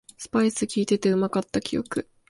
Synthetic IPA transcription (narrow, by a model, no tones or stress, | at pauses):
sɨ̥paisɨkʲiːt̪e̞t̪e̞ɯ̟makat̪ːakʲijo̞̰kɯ̟